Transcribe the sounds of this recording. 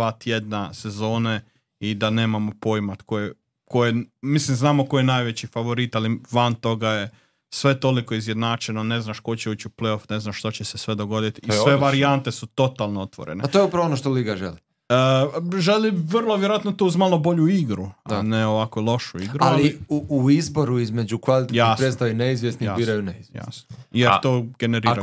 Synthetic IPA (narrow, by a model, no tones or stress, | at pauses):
at̪jed̪nasezo̞ːne | id̪ane̞ːmamopo̞jmat̪koje | kojemislimznaːmoko̞jenajʋet͡ɕifaʋo̞ɾit̪aliʋant̪o̞ɡaje | sʋe̞t̪o̞likoizjed̪naːt͡ʃenone̞znaʃko̞t͡ɕeuːt͡ɕupleo̞fne̞znaʃʃt̪ot͡ɕesesʋe̞d̪o̞ɡo̞d̪it̪isʋeʋaɾiant̪e̞sut̪o̞t̪alˠnoot̪ʋo̰ɾḛnt̪ojupɾaʋonoʃt̪oliɡaʒḛli | əʒeliʋərlˠoʋjeɾoat̪not̪uuzmaːlˠo̞bo̞ʎuiɡɾuaneoʋakolˠo̞ʃuiɡɾualliuuizbo̞ɾuizme̞d͡ʒukʋalit̪eaipɾet̪aineizʋjesniiabiːɾajuneizja̰snojeɾt̪oːɡe̞ne̞ɾiːɾa